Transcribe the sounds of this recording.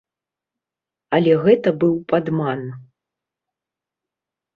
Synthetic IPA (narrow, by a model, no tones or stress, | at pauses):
ɐlʲɛɣɛt̪ɐbɨwpad̪man